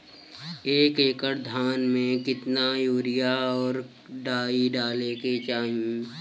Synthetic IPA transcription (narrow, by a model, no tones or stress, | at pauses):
eːkeːkəɾd̪ʱaːnmẽkɪt̪najoːɾɪjaɔːɾ | ɖaːiɖaːleːket͡ʃaːɦĩ